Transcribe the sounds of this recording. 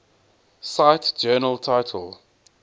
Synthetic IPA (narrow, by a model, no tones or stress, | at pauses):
saɪtd͡ʒɜːnəltʰaɪtʰə̰l